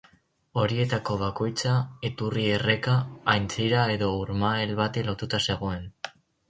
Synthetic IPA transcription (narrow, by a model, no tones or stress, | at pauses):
o̞ɾie̞t̪ako̞β̞ako̞jt͡saet̪urie̞re̞kaːjnt͡siɾae̞ðo̞uɾmaelβat̪elo̞t̪ut̪ase̞ɣo̞e̞n